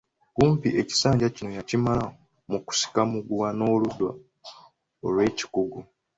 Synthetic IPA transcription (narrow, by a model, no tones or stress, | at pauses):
kuːmpiʔe̞ci̥saːɲɟacino̞jacimala | muku̥si̥kamuɡuwano̞ːludwa | olwe̞ːci̥kuɡu